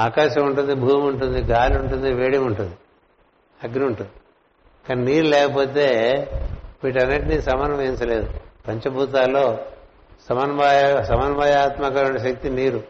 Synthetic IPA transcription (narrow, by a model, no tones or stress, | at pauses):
aːkaːʃɐmuɳʈund̪ibʱuːmuɳʈund̪iɡʱaːluɳʈund̪iʋeːɽimuɳʈund̪i | ɐɡniuɳʈund̪i | kaːniniːɾulɛːkɐpo̞ːt̪eː | ʋiːʈ̬ɐnːiʈnisɐmɐnɐmeːnt͡ʃɐle̞ːd̪upɐɲt͡ʃɐbʱuːt̪̬aːlːo̞ː | sɐmɐnʋajsɐmɐnʋaːjaːt̪mɐkɐɾuɳɐʃɐk̚t̪iniːɾu